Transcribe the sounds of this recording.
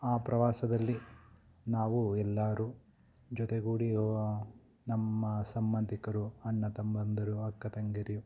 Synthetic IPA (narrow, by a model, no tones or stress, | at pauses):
aːpɾɐʋaːsɐd̪ɐlːi | naːʋuɛlːaːɾu | d͡ʒɔt̪eɡuːɽioːɐ | nɐmːɐsɐmbɐnd̪ʱikɐɾuɐɳːɐt̪ɐmbɐnd̪ʱɐɾuɐkːɐt̪ɐŋɡɐɾiju